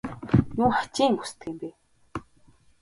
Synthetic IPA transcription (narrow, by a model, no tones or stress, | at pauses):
juːχḁt͡ɕiːŋɡu̥st̪ɡiːmpeː